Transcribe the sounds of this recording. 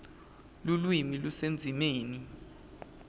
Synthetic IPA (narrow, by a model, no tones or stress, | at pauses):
lulwimilusend͡zʱimeːni